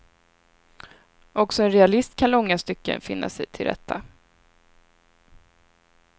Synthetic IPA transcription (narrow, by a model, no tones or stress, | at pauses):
ɔksɔɛnɾɛalɪst̪kʰanlɔŋːast̪ʏkːə̰nfɪnːa̰sɛjt̪ʰɪld̪ɛ̰t̪ʰːa